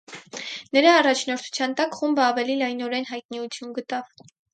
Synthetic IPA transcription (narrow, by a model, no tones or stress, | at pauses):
nəɾɑːrɑt͡ʃʰnɔɾt̪ʰu̥t͡sʰjɑnt̪ɑkχumbəɑvɛlilɑjnɔɾɛnɦɑjt̪̚niut͡sʰjunɡət̪ɑv